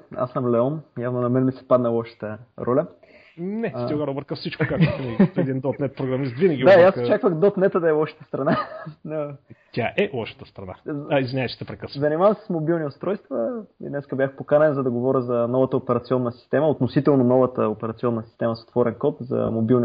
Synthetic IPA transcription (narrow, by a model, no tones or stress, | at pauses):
a̰sːəmlɛɔnjavnonɐmɛnmisɛ̥pad̪nəlˠɔʃə̥t̪əɾɔlʲə | nɛsiɡaɾobəɾt̪̚kɐfsit͡ʃkʊkakt̪iɛd̪ind̪ɔt̪nɛt̪̚pɾoɡɾɐmist̪vinəɡʲid̪ajasot͡ʃakvəxd̪ɔt̪nɛt̪əd̪ɐɛlˠɔʃə̥t̪ə̥st̪ɾɐnanot̪ʲaʔɛlˠɔʃə̥t̪əst̪ɾɐna̰izvʲinʲajt͡ʃɛ̥t̪ɛpɾɛkəszɐnimavəmsɛ̥smobilˠniost̪ɾɔjst̪vəḭd̪nɛskəbʲjaxpokanɛnzɐd̪ɐɡovɔɾʲəzɐnɔvɐt̪əopɛɾɐt̪siɔnːəsi̥st̪ɛməot̪nosit̪ɛlˠnonɔvət̪əopɛɾɐt̪siɔnːəsi̥st̪ɛməso̥t̪vɔɾɛnkɔt̪zɐ̰mobilˠni